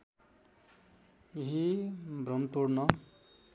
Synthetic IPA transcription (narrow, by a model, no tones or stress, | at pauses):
jeɦibrʌmt̪oɽnʌ